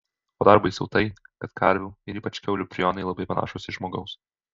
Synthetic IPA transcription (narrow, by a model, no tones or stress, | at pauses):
oːd̪ɑɾbɐɪsʲɛʊt̪ɐɪkɐt̪kʰɐ̰ɾʲʋʲuːɪɾiːpɐt͡ʃkʲɛʊlʲuːpʲɾʲɪjɔnɐɪlˠɐbɐɪpɐnɑ̰ːʃoːsʲɪʒmoːɡɐʊs